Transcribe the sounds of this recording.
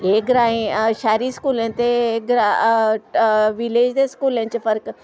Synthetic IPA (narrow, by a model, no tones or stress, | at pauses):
eːɡɾaːĩʃaːɾiskuːlent̪eɡɾa | ʋileːd͡ʒd̪eskuːlẽnt͡ʃfɐɾk